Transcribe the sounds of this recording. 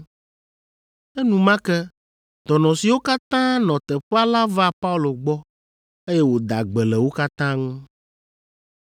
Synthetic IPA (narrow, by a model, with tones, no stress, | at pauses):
e˦nũ˨mã˦kɛ˦ | d̪̥ɔ˨nɔ̃˨si˨wo˦ka˦t̪ã˦nɔ̃˨t̪ɛ˨ɸa˦la˦va˦pa˦u˦lo˨ɡ͡bɔ˦ | e˦jɛ˦wo˨d̪a˨ɡ͡bɛ˨lɛ˨wo˦ka˦t̪ã˦ŋũ˦